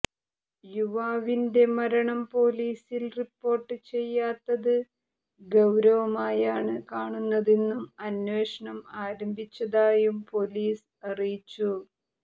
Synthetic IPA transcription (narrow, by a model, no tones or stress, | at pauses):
juʋaːʋinde̞mɐɾɐɳɐmpo̞ːliːsilripːo̞ːrʈːɨt͡ɕe̞jːaːt̪ːɐðɨ | ɡɐwɾɐʋɐmaːjaːɳɨkaːɳunːɐðenːumɐnwe̞ːʂɐɳɐmaːɾɐmbʱit͡ɕːɐðaːjumpo̞liːs | ɐrijit͡ɕːu